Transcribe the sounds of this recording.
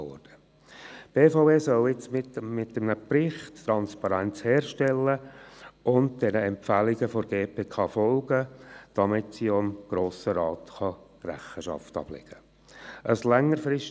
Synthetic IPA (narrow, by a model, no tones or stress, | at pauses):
ɔ̰ɾd̥ə | b̥eːfaʊeːsœlɪt͡smɪmɪtːəmnəprɪχtːɾɑnspɑɾænt͡shɛːɾʃtɛlːəʔʊndd̥ɛnəɛmpfæliɡəfɔɾɡ̥eːpʰeːkʰɑːfɔlɡəd̥ɑmɪtsiːoəmɡ̥ɾoːsəɾɑːt̪χɑ | ræ̰χəʃɑ̰ftɑ̰b̥lɪ̰ɡ̥ə | ʔəslɛŋːəɾfɾɪʃ